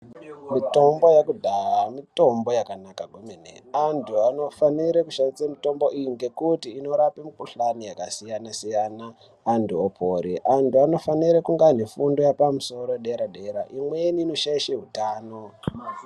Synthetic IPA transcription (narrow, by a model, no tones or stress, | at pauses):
mito̞mbo̞jakudʱaramito̞mbo̞jakanakaɡʱomenḛantʰuano̞faniɾekuʃandist͡samito̞mbo̞ʔijiŋɡe̞kutiːno̞ɾapemukuɬanijakasijanasijanaː | ntuopʰoɾḭʔantuano̞faniɾekuŋɡanefundo̞japamuso̞ɾo̞ɗe̞ɾaɗe̞ɾaʔimweniːno̞ʃaiʃeɦutaːno̞